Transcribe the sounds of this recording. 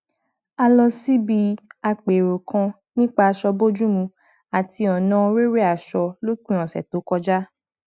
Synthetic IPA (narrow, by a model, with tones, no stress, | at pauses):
a˧lɔ˧si˦bi˧a˧k͡pe˨ɾo˨kã˧ | nĩ˦k͡pa˧ʃɔ˧bo˦d͡ʒu˦mũ˧ | a˨ti˧ɔ˨nã˨˧ɾe˦ɾe˦a˦˨ʃɔ˧lo˦k͡pĩ˦ɔ̃˨sɛ̰˨to˨˦kɔ˧d͡ʒa˦